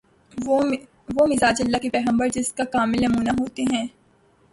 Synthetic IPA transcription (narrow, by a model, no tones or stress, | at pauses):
ʋoːmɪzaːd͡ʒɐlːakepɛːɣə̃mbəɾd͡ʒɪskakaːmɪlnɐmuːnaɦoːt̪eɦɛ̃ː